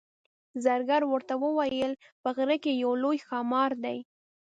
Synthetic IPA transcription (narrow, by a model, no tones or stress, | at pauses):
zaɾɡaɾwəɾt̪awəwajəlpəɣɾəkejawlojxɑmɑɾd̪aj